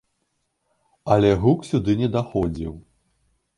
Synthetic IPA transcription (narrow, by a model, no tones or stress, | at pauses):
ɐlʲɛɣuksʲud̪ɨnʲɛd̪axɔd͡zʲiw